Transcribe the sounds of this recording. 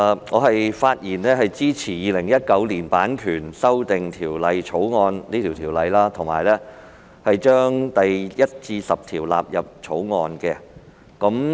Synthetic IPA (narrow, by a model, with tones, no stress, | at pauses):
ŋɔː˨˧ɦɐ˨jfaː˧t̚jiː˨˩nɛː˥ɦɐ˨jt͡siː˥t͡sʰiː˨˩jiː˨˧lɪ˨˩ŋjɐ˥t̚kɐ˨˥wliː˨˩npaː˨˥nkʰyː˨˩nsɐ˥wt̪ɪ˨ŋt̪ʰiː˨˩wlɐ˨˧jt͡ʃʰo˨˥wŋɔː˧nliː˥t̪ʰiː˨˩wt̪ʰiː˨˩wlɐ˨˧jlaː˥t̪ʰʊ˨˩ŋmaː˨˩jlɛː˥ | hɐ˨jt͡ʃœː˥ŋt̪ɐ˨jjɐ˥t̚t͡siː˧sɐ˨p̚t̪ʰiː˨˩wla̰ː˨p̚jɐ˨p̚t͡ʃʰo˨˥wŋɔː˧nkɛː˧ | kɐ˨˥m